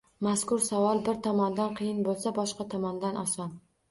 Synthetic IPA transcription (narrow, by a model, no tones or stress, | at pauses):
maskʊɾsavɒlˠbɪɾt̪ʰɒmɒnd̪anqʰɨjɪnbolˠsabɒʃqɑt̪ʰɒmɒnd̪anʔɒsɒn